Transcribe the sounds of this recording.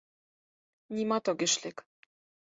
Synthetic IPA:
nʲimɑt̪oɡɘ̆ʃlek

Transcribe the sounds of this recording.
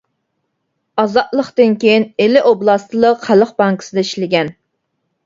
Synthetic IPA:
ɑzɑd̪lˠəqt̪ɨnkʲejinelɪʔoblˠɑst̪ʰɨlˠəqχælˠəqbɑŋkə̥sɨd̪ɛiʃlɪɡʲɛn

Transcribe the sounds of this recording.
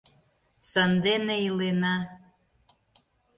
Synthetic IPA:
sənd̪eneilenɑ

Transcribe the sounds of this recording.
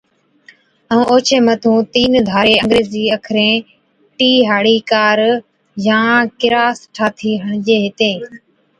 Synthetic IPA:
ə̃ːoːt͡ʃʰeːmət̪ʰũːt̪iːnd̪ʱaːɾeːə̃ŋɡɾeːziːəkʰɾẽː | ʈiːɦaːɽiːkaːɾ | jãːkɪɾaːsʈʰaːt̪ʰiːɦəɳ̃d͡ʑeːɦɪt̪eː

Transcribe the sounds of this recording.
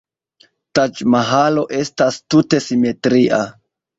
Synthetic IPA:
tat͡ʃmaɦalo̞ʔe̞stastute̞sime̞tɾiʔa

